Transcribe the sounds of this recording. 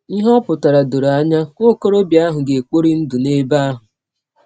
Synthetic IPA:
i˦ɦɔ˦pʊ˨ta˨ɾa˨do˨ɾa˦ɲa˦ko˦ko˦ɾo˦bja˦ɦʊ˨ɡe˨e˨k͡po˦ɾi˦n̩˦du˨ne˦ba˦a˦ɦʊ˨

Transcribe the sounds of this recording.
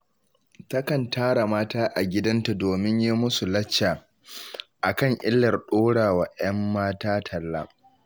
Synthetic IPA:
tɐ˦kɐ˨ntʰaː˦ɽa˨maː˦taː˦ʔa˨ɡʲɪ˦dɐ˦nta˨doː˨mɪ˦ɲji˦mʊ˦su˨lɐ˦t͡ʃːaː˨ | ʔa˨kɐ˦˨ŋʔɪ˦lːɐ˨rɗoː˦ɽaː˨waː˨˦ʔɐ˦mːaː˦taː˦tʰɐ˨lːaː˦

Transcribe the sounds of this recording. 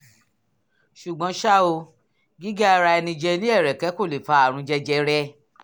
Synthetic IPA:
ʃu˨ɡ͡bɔ̃˨˦ʃa˦o˧ | ɡi˦ɡa˦a˧ɾa˧ɛ˧nĩ˧d͡ʒɛ˧nĩ˦ɛ˦˨ɾɛ˨kɛ˨˦ko˦˨le˨fa˧˦a˦˨ɾ̃ũ˧˦d͡ʒɛ˦d͡ʒɛ˧ɾɛ˦

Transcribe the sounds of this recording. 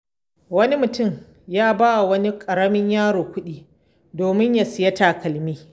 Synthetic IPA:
wɐ˦ni˦mʊ˨tʊ˦˨m | jaː˦baː˦wa˨wɐ˦ni˦kʼɐ˨ɾɐ˦mɪ˦ɲjaː˦ɽoː˨kʷʊ˦ɗiː˦ | doː˨mɪ˦ɲja˨sɪ˨jɐ˦taː˨kɐ˨lmiː˦

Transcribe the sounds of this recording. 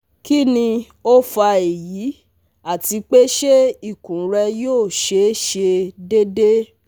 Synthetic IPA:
ki˦nĩ˧ | o˦fa˧e˨ji˨˦ | a˦˨ti˧k͡pe˦ʃe˦i˦˨kũ˨˦ɾɛ˧joː˦˨ʃe˧˦ʃe˧de˦de˦

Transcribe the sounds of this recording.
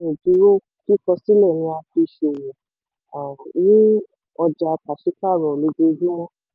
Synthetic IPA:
ĩ˨di˨˦ɾo˦ | ki˦˨kɔ˧si˦lɛ˦˨nĩ˧a˧fi˧ʃe˧˨jĩ˨ | a˨nĩ˦ | ɔ˧d͡ʒa˧ka˨ʃi˨˦ka˦˨ɾɔ˨le˨˧˦ɡe˧˦ɡũ˦ɔ˦

